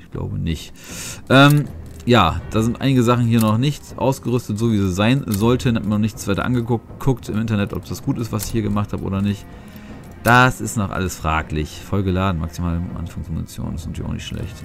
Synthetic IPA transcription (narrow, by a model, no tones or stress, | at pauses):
ʔɪ̥çɡ̥la̰ʊbənɪçt | ʔɛːm | jaːd̥aːzɪntʔa̰ɪnɪɡəzaχn̩hiːɐnɔχnɪçtʔa̰ʊsɡ̥əʁʏstətz̥oːviːziz̥aɪnzɔltʰənhatmiɐnɔnɪçt͡sv̥aɪtɐ̰ʔa̰nɡə | kʰʊktʰɪmʔɪnt̬ɐnɛtʔɔ̰pd̥asɡ̥uːtɪstvasɪ̥çhiːɐɡəmaχthaːbəʔo̰ːdɐnɪçt | d̥asɪstnɔχʔa̰ləsfʁ̥a̰ːklɪçfɔlɡəlaːdn̩ma̰ksimaːlʔa̰nfaŋsmunḭt͡sjo̰ːn̰szɪntʰiːɐ̰ʊ̰nɪ̰çtʃlɛ̰çt